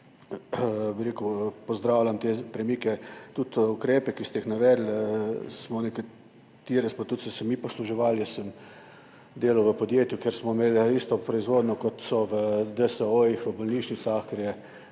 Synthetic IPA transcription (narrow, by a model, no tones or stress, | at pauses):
biɾeːkupɔzd̪ɾaːwlʲamt̪epɾɛmiːkɛt̪ut̪ukɾeːpɛkist̪ɛixnaʋɛːd̪lsmɔnɛka | t̪iɾɛspat̪ut̪sɛsɛmipɔsluʒɛʋaljɛsəm | d̪eːlawʋəpɔd̪jeːt̪jukeɾsmɔmeːlist̪ɔpɾɔizʋoːd̪nɔkɔt̪sɔʋəd̪əsəoixʋəbɔlniːʃnit̪saxkeɾjɛ